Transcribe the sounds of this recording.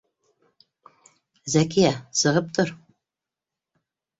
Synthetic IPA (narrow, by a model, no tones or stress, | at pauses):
zækijæsɤ̆ʁɤp̚t̪oɾ